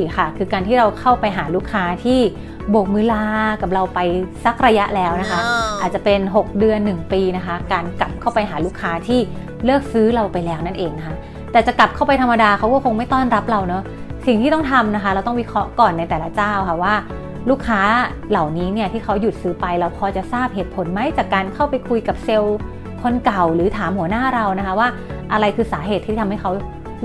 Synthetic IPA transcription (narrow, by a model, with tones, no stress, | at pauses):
i˨˩xʰa˥˩kʰɯː˧kaː˧nt̪ʰiː˥˩ɾa˧wkʰa˥˩wpa˧jɦaː˩˦luː˥˩kʰːaː˦˥t̪ʰiː˥˩ | bo˨˩k̚mɯ˨˧˥laː˧ka˨˩p̚ɾa˧wpa˧jsa˦˥k̚ɾa˧ja˦˥ʔlɛː˦˥wna˦˥kʰa˦˥ʔaː˨˩t̪̚t͡ɕa˨˩pe˧nɦo˨˩k̚dɯ˧ənːɯ˨˩ŋpiː˧na˦˥kʰa˦˥kaː˧nka˨˩p̚kʰa˥˩wpa˧jɦaː˩˦luː˥˩kʰːaː˦˥t̪ʰiː˥˩ | lɯː˥˩ək̚sɯː˦˥ɾa˧wpa˧jlɛː˦˥wna˥˩nʔeː˧ŋa˦kʰa˦˥ʔ | t̪ɛː˨˩t͡ɕa˨˩ka˨˩p̚kʰa˥˩wpa˧jt̪ʰa˧mːa˧daː˧kʰa˦˥wkɔː˥˩kʰo˧ŋma˥˩jt̪ɔː˥˩nɾa˦˥p̚ɾa˧wnɔ˦˥ | si˨˩ŋiː˥˩ɔ˥˩ŋt̪ʰa˧mna˦˥kʰa˦˥ɾa˧wt̪ɔ˥˩wi˦˥kʰɾɔ˦˥ʔkɔː˨˩nːa˧jt̪ɛː˨˩la˦˥t͡ɕaː˥˩wkʰa˥˩waː˥˩ | luː˥˩kʰːaː˦˥ | la˨˩wniː˦˥ni˥˩ɐt̪ʰiː˥˩kʰa˦˥wju˨˩t̪̚sɯː˦˥pa˧jɾa˧wpʰɔː˧t͡ɕa˨˩ʔsaː˥˩p̚ɦeː˨˩t̪̚pʰo˩˦nma˦˥jt͡ɕaː˨˩kːaː˧nkʰa˥˩wpa˧jkʰu˧jka˨˩p̚se˧w | kʰo˧nka˨˩wɾɯː˩˦t̪ʰaː˩˦mhu˩˦ɐnaː˥˩ɾa˧wna˦˥kʰa˦˥waː˥˩ʔa˧ɾa˧jkʰɯː˧saː˩˦ɦeː˨˩t̪ʰiː˥˩t̪ʰmha˥˩jkʰa˦˥w